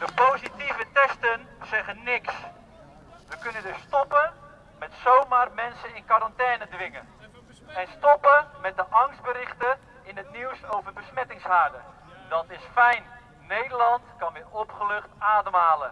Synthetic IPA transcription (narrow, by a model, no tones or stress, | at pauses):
d̥əpowzitivətɛstənsɛχənːɪks | ʋəkɵnəndɵstɔpə | mɛtsowmaːrmɛnsənɪnkaɾɑntɛːnədʋɪŋən | ɛnstɔpəmɛt̚dəʔɑŋsd̚bəɾɪχtə | ɪnɦətniwsowvəbəsmɛtɪŋsɦaːɹdə | dɑtɪsfɛjn | nejdəlɑntkɑnʋɪːrɔpχəlɵχtaːdəmɦaːlən